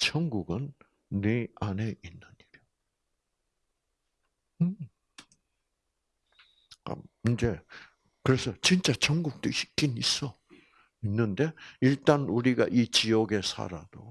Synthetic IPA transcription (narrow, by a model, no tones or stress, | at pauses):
t͡ɕʌŋɡuɡɯnː | eane̞ʔinːɯɲiɾjo | ɯ | a̰ind͡ʑe̞ | kɯɾe̞sʰʌt͡ɕint͡ɕ͈at͡ɕʌŋɡuk̚t͈ɯɕʰi̥k͈inis͈ʌ | inːɯnde̞iɭt͈anuɾiɡa̰ʔit͡ɕiʌɡe̞sʰa̰ɾa̰d̥o